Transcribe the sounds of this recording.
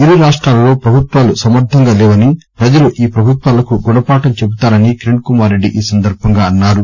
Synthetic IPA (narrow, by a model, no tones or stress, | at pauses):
iɾuɾaːʂʈɾaːlɐlo̞ːpɾɐbʱut̪ʋaːlusɐmɐɾd̪ʱɐŋɡaːlɛːʋɐnipɾɐd͡ʒɐluʔiːpɾɐbʱut̪ʋaːlɐkuɡuɳɐpaːʈɐmt͡ʃe̞but̪aːɾɐnikiɾeɳɖ̚kumaːɾːe̞ɖːḭʔiːsɐnd̪ɐɾbʱɐŋɡaːɐnːaːɾu